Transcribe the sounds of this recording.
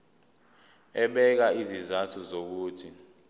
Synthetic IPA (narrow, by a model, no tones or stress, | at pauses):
ɛɓɛk̬aizizatʰuzok̬uːtʰi